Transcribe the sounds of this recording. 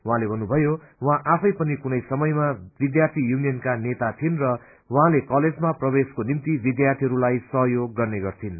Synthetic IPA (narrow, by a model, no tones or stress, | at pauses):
wuɦãlebʱʌnːubʱʌjo | wɦãʔapʰʌjpʌnikunʌjsʌmʌjmabid̪jart̪ʰijunijʌnkanet̪at̪ʰinrʌ | wɦãlekʌled͡zmaprʌbeskonimt̪ibid̪jart̪ʰiɦʌɾulajsʌɦʌjoɡːʌrneɡʌrt̪ʰin